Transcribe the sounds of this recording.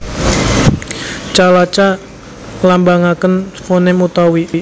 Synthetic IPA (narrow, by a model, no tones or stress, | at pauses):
t͡ʃalat͡ʃa | lambaŋakənfonemut̪awi